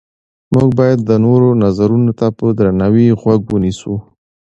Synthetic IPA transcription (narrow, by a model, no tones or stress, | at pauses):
muɡ̚bɑjad̪ːənoɾonazaɾunot̪apəd̪ɾanawiɣwaɡwənisu